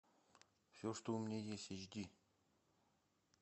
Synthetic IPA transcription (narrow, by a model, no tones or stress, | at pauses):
fsʲoʂt̪oumʲnʲejesʲt̪ʲeʒd̪ʲi